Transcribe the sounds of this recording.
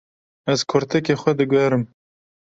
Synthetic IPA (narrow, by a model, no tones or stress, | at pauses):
ɛzkʰʊɾt̪ʰɛkexʷɛd̪ɨɡɛɾɨm